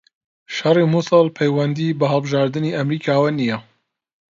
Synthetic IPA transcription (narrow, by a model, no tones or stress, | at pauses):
ʃɑrˤimusɨlˠpʰɛjwɐnd̪ibɐɦəlˠbɨʒaːɾd̪ɨniːʔɐmɾiːkʰaːwɐnijɛ